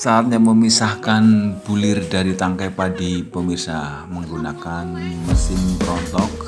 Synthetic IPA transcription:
saːt̪̚ɲaməmisahkanb̥ulɪrdaɾit̪aŋkapadipəmirsahhməŋɡunakanməsɪmpəɾɔnt̪ɔk̚

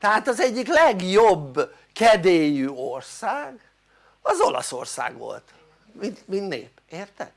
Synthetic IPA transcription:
t̪ɛɦaːt̪ɒzɛɟːiklɛɡjobː | kɛd̪eːjyːorsaːɡ | ɒzo̞lɒ̰so̞̰rsa̰ːɡʋo̞̰lt̪ | minmind̪nḛːpeːrt̪ɛ̰d̪

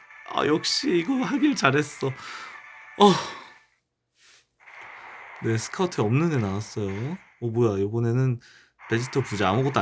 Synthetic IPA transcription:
a̰jʌk̚ɕ͈iiɡʌhaɡiɾɯt͡ɕaɾɦe̞s͈ʌ | ʌ | ne̞sʰɯ̥kʰatʰeʌmnɯnenawas͈ʌjo | ʌbojajobʌne̞nɯn | pe̞d͡ʑitʰʌpud͡ʑaamuɡʌt͈oa

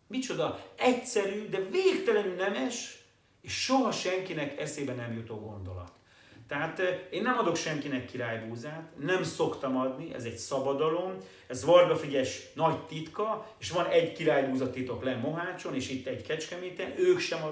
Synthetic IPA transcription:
mit͡ʃo̞d̪ɒɛcsɛɾyːd̪ɛveːkt̪ɛlɛnynɛmɛʃ | eːʃʃoɦɒʃɛŋkinɛkɛseːbɛnɛmjut̪oːɡo̞̰nd̪o̞̰lɒ̰t̪ː | ɛɦaːt̪eːnːɛmɒd̪o̞kʃɛŋkinɛkːiɾaːjbuːzaːt̪nɛmso̞kt̪ɒmɒd̪niɛ̰zɛɟsɒbɒd̪ɒlo̞m | ɛzʋɒrbɒfiɟɛʃnɒɟt̪it̪kɒeːʃʋɒnɛɟkiɾaːjbuːzɒt̪ːit̪o̞klɛmːoɦaːt͡ʃo̞neːʃit̪ːɛɟkɛt͡ʃkɛmiːt̪ɛnʔøːkʃɛmɒ

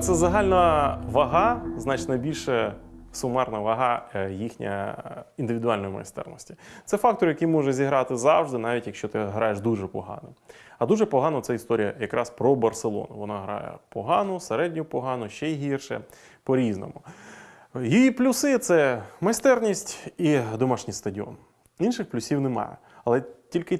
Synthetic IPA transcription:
t̪sɛzɐɦɑlʲnɐʋɐɦɑznɑt͡ʃnɐbʲilʲʃɛsʊmɛrnɐʋɐɦɑjixnʲɐ̰ind̪ɪʋʲɪd̪ʊɑlʲnɔjimɐ̰st̪ɛ̰rnɔsʲtʲit̪sɛfɑk̚t̪ɔrjɐkijmɔʒɛzʲiɦɾɑt̪ɪzɑwʐd̪ɪnɑʋʲitʲjɐkʃt͡ʃɔt̪ɪɦɾɑjeʃd̪uʒɛpɔɦɑ̰nɐɐd̪uʒɛpɔɦɑnɐt̪sɛist̪ɔɾʲijɐ̰jɐkɾʔɑspɾɔbɐrselˠɔ̰nʊʋɔnɑɦɾɑ̰jɛ̰pɔɦɑnʊseɾɛdʲnʲʊpɔɦɑnʊʃt͡ʃɛiɦirʃɛ̰ | pɔɾʲiznɔ̰mʊ | jɔjiplʲʊsɪt̪sɛmɐjst̪ɛrnʲisʲtʲid̪ɔmɑʃnʲijst̪ɐdʲiɔ̰n | inʃɪxplʲʊsʲiwnemɑ̰jɛ̰ | ɐlˠɛtʲilʲkɪ

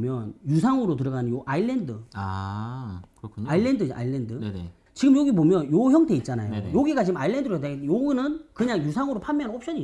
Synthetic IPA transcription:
mjʌnjusʰaŋɯɾotɯɾʌɡanɯnjoʔailːendɯa | kɯokʰɲailːe̞ndɯa̰ilːendɯe | t͡ɕiɡɯmjoɡipomjʌnjoçjʌŋtʰe̞it̚t͡ɕ͈anajojoɡiɡat͡ɕiɯmailːendɯɾoetaɡjoɡinɯnkɯɲaŋjusʰaŋɯɾopʰamjʌnnop̚ɕʰʌɲi

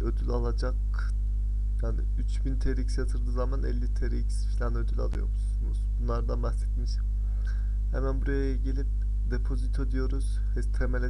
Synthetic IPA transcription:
ød̪ylʲalˠad͡ʒak | jaːnɪ | yt͡ʃbint̪ʰeɾicsjat̪ʰɯɾd̪ɯːzamanɛ̰lʲːit̪ʰeɾiːcsfilʲanød̪ylʲa̰lˠɯjo̰ɾmusunuzbunlˠaɾd̪anbaxsɛt̪miʃ | hḛmænbuɾajaɟelʲip̚ | d̪epʰo̞zit̪ʰød̪ijo̞ɾuz̥ | hɛt̪ʰemelʲe

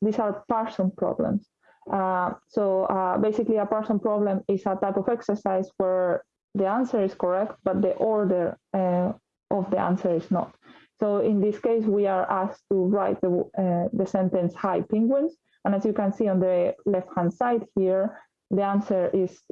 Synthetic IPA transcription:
d̪isaɹpɛɹsɔ̃npɾɔ̰blə̰̃ms | ʔasoabejsikliapɛɹsɔ̃npɾɔblə̃misat̪ajpɔfɛksə˞sajswəɹ | ðiãnsəɾiskɔɹɛkt̪̚b̥at̪̚d̪əʔɔɹd̪əɹ | ʔɔfðiã̰nsəɹiznɔ̰t̪soĩnd̪iskejswiaɹast̪uɹajt̪̚d̪əɛðəsɛ̃nt̪ɛ̃nshajpĩŋɡwɪ̃ns | ãnazjukãnsiɔ̃nd̪əlɛfthãnsajd̪hiɹ | ðiãnsəɹis

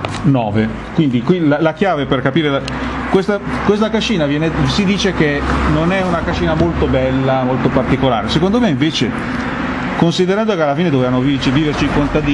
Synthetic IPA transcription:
nɔːve | kwind̪ikwilalak̟jaːveperkapiːɾela | kwest̪akwest̪akat͡ʃːiːnavjɛːnesid̪iːt͡ʃek̟enonɛunakat͡ʃːiːnamolt̪obɛlːamolt̪opart̪ikola̰ːɾesekond̪omeiɱveːt͡ʃe | konsid̪eɾand̪okealːafiːned̪ovevanovit͡ʃiviːvert͡ʃikont̪ad̪iː

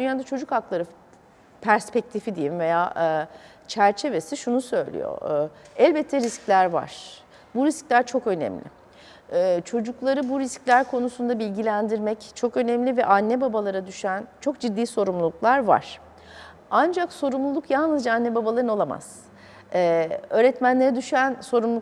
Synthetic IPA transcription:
d̪ynjaːd̪at͡ʃʰo̞d͡ʒukhaklˠaɾɯ | pʰæɾspɛc̚t̪ʰifid̪ijimve̞jaːʔ | t͡ʃʰæɾt͡ʃʰe̞ve̞siʃunusø̞jlʲḭjo̰ɛlʲbɛt̪ʰːɛɾisclʲæɾva̰ɾ̥ | buɾisclʲæɾt͡ʃʰo̞kø̞nɛ̰mlʲɪ̰ | t͡ʃʰo̞d͡ʒuklˠaɾɯbuɾisclʲæɾkʰo̞nusund̪abilʲɟilʲænd̪iɾmɛct͡ʃʰo̞kø̞nɛmlʲivɛʔanːɛbabalˠaɾad̪yʃænt͡ʃʰo̞k̚d͡ʒid̪ːiːso̞ɾumlˠulˠuklˠaɾva̰ɾ̥ | and͡ʒakso̞ɾumlˠulˠukjalˠnɯzd͡ʒaanːɛbabalˠaɾɯno̞lˠama̰z̥ː | ø̞ːɾɛt̪mænlʲe̞ɾɛd̪yʃyænso̞ɾumlˠuk

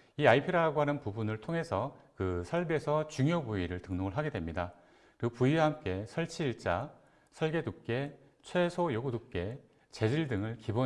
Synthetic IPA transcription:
iaipʰiɾaɡoɦanɯnpubunɯɭtʰoŋe̞sʰʌkɯsʰaɭbe̞sʰʌt͡ɕuŋjobuiɾɯɭtɯŋnoɯɭɦaɡe̞dwemɲida | kɯpuiɦamk͈e̞sʰʌɭt͡ɕʰiɭt͡ɕ͈a | sʰʌɭɡe̞duk͈e̞ | t͡ɕʰwe̞sʰojoɡudup̚k͈e̞ | t͡ɕe̞d͡ʑiɭdɯŋɯɭkibo

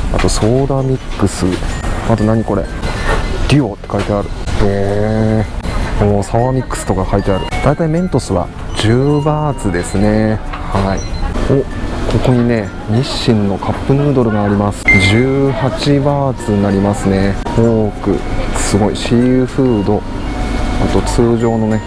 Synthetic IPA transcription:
a̰t̪o̞so̞ːd̪amʲikːɯ̟sɨat̪o̞naɲ̟iko̞ɾe̞̰ | d̪̥ʲio̞t̪ːekait̪e̞aɾɯ̟he | moːsaβamʲikːɯ̥sɨ̥t̪o̞kakait̪e̞aɾɯ̟d̪̥ait̪aimẽ̞nt̪o̞sɨβa̰ | d͡ʑɨːbaːt͡sɨd̪e̞sɨne̞ | haioː | kʰo̞ko̞ɲ̟ine̞ | ɲiɕːĩnːo̞kʰapːɯ̟nɯːd̪o̞ɾɯ̟ɡaːɾʲimasɨ̥ʑɨːhat͡ɕibaːt͡sɨɲnaɾʲimasɨne̞oːkɯ̟̰sɨɡo̞ḭɕiːɸɯ̟ːd̪o̞ | at̪ːo̞t͡sɨːʑo̞ːno̞ne̞

